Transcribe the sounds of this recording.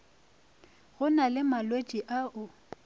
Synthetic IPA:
ɣʊnalɪmalwet͡ʃʼiʔaʔʊ

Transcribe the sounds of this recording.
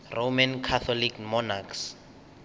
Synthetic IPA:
rʔomankʰat̪ʰɔlikmɔnaks

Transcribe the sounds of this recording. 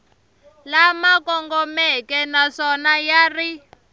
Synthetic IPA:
lamakɔŋɡɔmɛkɛnasɔnajari

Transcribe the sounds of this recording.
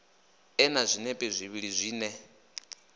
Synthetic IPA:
ɛnazʷinɛpʼɛzʷiβiɺizʷiːnɛ

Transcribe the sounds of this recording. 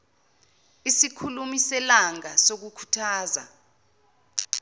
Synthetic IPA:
isikʰulumisɛlaŋasok̬ukʰu̥tʰaːza̰

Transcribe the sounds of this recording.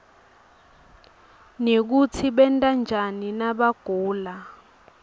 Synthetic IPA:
nek̬ut͡sʰiɓɛntʼand͡ʒʱaninaɓaɡ̥ʱuːla

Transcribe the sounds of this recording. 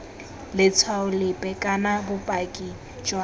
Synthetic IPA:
lɪt͡sʰwaʊlɪpʼɛkʼanabʊpʼakʼi | t͡ʃʼwa

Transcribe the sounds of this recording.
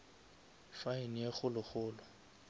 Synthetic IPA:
fainjeχʊlʊχʊːlʊ

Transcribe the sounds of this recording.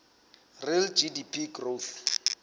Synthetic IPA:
rild͡ʒidipʰiɡroθ

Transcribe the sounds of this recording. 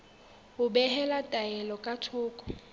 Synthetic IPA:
ʊbɛɦɛlatʼaɛlɔkʼatʰʊːkʼɔ̥

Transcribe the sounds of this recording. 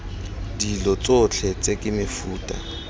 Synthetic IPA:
dilɔt͡sʼʊt͡ɬʰɛt͡sʼekʼɪmɪfuːtʼa̰

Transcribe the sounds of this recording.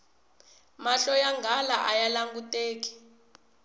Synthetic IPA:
maɬɔjaŋɡʱalaʔajalaŋɡutʼeːk̬i̥

